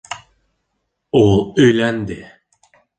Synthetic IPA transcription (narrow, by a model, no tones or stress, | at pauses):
olˠøjlænd̪ɪ